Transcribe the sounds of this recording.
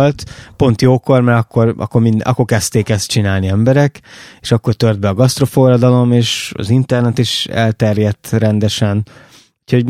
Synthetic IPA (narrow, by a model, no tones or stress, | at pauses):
lt̪po̞nt̪joːko̞rmɛɾɒkːo̞rɒ̰kːo̞rmind̪ɒ̰kːo̞rkɛst̪eːkɛst̪̚t͡ʃinaːlniɛmbɛɾɛkeːʃɒkːo̞rt̪ørd̪̚bɛɒɡɒst̪ro̞fo̞rɒd̪ɒlo̞meːʃɒ̰zint̪ɛrnɛt̪iʃɛ̰lt̪ɛrjɛt̪ːrɛnd̪ɛʃɛn | ucʰho̞ɟ